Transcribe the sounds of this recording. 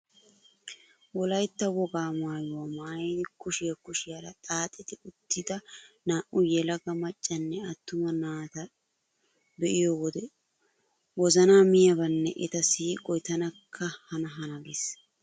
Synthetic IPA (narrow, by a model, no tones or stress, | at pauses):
wɔlɐjt̪ːɐwɔɡaːmaːjʊwɐmaːjd̪ɪkʊʃɪjɐkʊʃɪjɐlɐt̪ʼaːt̪ʼɪt̪ɪʊt̪ːɪd̪ɐnaːʔʊjɛlɐɡɐmɐt͡ʃʼːɐnːɛɐt̪ːʊmɐnaːt̪ɐ | bɛʔɪjɔwɔd̪ɛ | wɔzɐnaːmɪjɐbɐnːɛ̰ʔɛt̪ɐsiːkʼɔjt̪ɐnɐkʰːɐhɐnɐɦɐnɐɡes